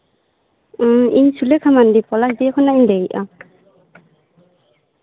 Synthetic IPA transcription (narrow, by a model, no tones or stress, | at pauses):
ḭnsulekʰamandipɔlasdikʰɔnaindɛiʔa